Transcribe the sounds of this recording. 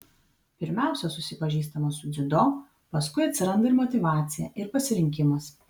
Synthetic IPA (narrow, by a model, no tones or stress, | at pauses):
pʲɪɾʲmʲæˑʊsʲɛsʊsʲɪpɐʒʲiːst̪ɐmɐsʊd̪zʲɪd̪oː | pɐskʊɪɐt̪ʲsʲɪɾɐnd̪ɐɪɾmɔt̪ʲɪʋɑːt̪sʲɪjɛʔɪɾpɐsʲɪɾʲɪŋʲkʲɪmɐs